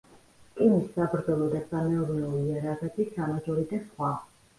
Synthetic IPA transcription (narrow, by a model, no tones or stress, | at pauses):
kʼinisːabɾd̪zɔlˠɔd̪asamɛɔɾnɛuliɛɾaʁɛbisamad͡ʒʼɔɾid̪asχwa